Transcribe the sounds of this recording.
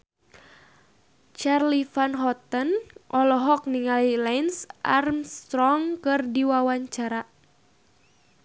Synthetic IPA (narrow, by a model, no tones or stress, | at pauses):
t͡ʃarlifanɦɔt̪ənʔɔlɔɦɔk̚niŋalilainsʔa̰rmst̪ɾɔŋkɨrdiwawaɲt͡ʃaɾa